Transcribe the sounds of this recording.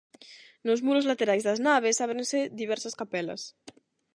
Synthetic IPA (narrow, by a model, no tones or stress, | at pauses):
nozmuɾozlat̪eɾajzðɐznaβ̞esaβɾẽnsed̪iβ̞ɛɾsaskapɛlɐ̰s